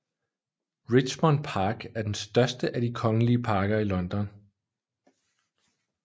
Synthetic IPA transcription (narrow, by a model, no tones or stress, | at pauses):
ʁi̥ɕmɒnpʰɑ̈ːɡ̥æɐd̥ensd̥ɶɐsd̥əʔæd̥ikʰɒ̽ŋəliəpʰɑ̈ːɡ̥ɐilɒ̽nd̥ɒ̽n